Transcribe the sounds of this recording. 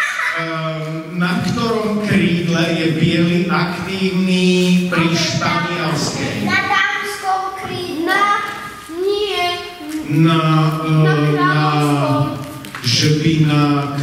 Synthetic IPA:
nakt̪ɔɾɔmkɾiːd̪lɛjɛbɪɛliʔakt̪iːvnipɾiʃt̪avialskɛ̰jd̪amskɔwkɾiːna | ɲɪɛ | na | na | ʒəbina

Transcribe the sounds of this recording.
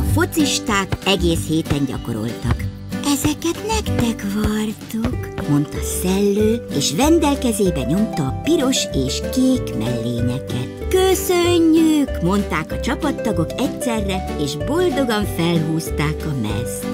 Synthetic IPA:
ɒfo̞t̪siʃt̪aːkɛɡeːsheːt̪ɛɲɟɒ̰ko̞̰ɾo̞̰lt̪ɒ̰k | ɛzɛkɛt̪nɛkt̪ɛkʋɒrt̪ukmo̞nt̪ɒ̰sɛlːøːeːʃʋɛnd̪ɛlkɛzeːbɛɲo̞mt̪ɒːpiɾo̞ʃeːʃkeːkmɛ̰lːḛːɲɛkɛt̪køsøɲːykmo̞nt̪aːkɒt͡ʃɒpɒt̪ːɒɡo̞kɛcsɛrːɛ | eːʒbo̞ld̪o̞ɡɒɱfɛlɦuːst̪aːkɒmɛ̰s

